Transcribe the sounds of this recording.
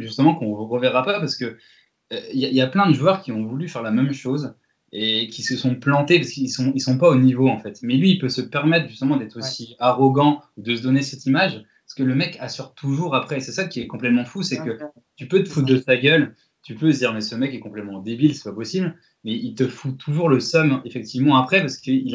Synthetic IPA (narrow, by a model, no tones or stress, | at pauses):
ʒyst̪əmɑ̃kɔ̃vʁəvɛʁapapaʁsə̥kə | øiljailjaplɛ̃d̪əʒuœʁkʲiɔ̃vulyfɛʁlamɛmʃoz | ekʲisəsɔ̃plɑ̃t̪epaskəilsɔ̃ilsɔ̃paonivoɑ̃fɛt̪mɛlɥiːlpøsəpɛʁmɛt̪χʒyst̪əmɑ̃d̪ɛt̪χosiaʁɔɡɑ̃ud̪əsəd̪ɔnesɛt̪imaʒ | sə̥kələmɛkasyʁt̪ʰuʒuʁapχɛsɛsakʲiɛkɔ̃plɛt̪mɑ̃fusɛkə | t̪ypøt̪əfut̪̚d̪əsaɡʲœl | t̪ypøzd̪iʁmɛsəmɛkɛkɔ̃plɛt̪mɑ̃d̪ebilsɛ̥papɔsibl | mɛilt̪əfut̪ʰuʒuʁləsɔmefɛk̚t̪ivmɑ̃apχɛpaʁsə̥kəil